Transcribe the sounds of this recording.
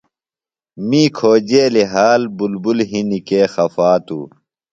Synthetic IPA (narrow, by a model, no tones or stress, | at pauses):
miːkʰoːd͡ʑeːleɦaːlbulbulɦinikeːxɐfaːt̪ṵː